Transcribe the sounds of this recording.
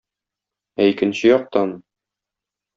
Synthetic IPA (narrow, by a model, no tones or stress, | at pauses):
æikɘ̆nɕɘjɒq̚t̪ɑn